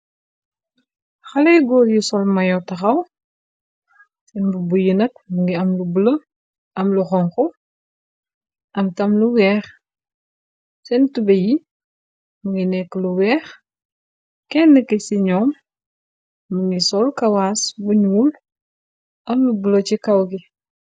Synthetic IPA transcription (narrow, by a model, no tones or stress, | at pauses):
xɐlɐjɡɔːljisɔlmɐjɔtɐxɐw | sɛnbubujənɐk̚muŋɡiɐmlubulə | ʔɐmluxɔŋxɔ | ʔɐmtɐmluwɛːχ | sɛntubɛji | muŋɡinɛkːluwɛːx | kɛnːəkisiɲɔːm | uŋɡisɔlkɐwaːsbuɲuːl | ʔɐmlubulət͡ʃikɐwki